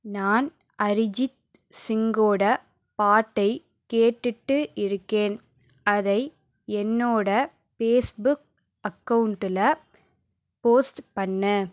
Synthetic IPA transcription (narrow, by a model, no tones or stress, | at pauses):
naːn | ɐɾɪd͡ʒɪʈ | sɪŋɡoːɽɐ | paːʈːɐɪ | keːʈːɯʈːɯɪɾɯkːeːn | ɐðɐɪ | ɛnːoːɽɐ | peːsbʊk̚ | ɐkːɐʋɯɳʈɪlɐ | poːsʈpɐnːɐ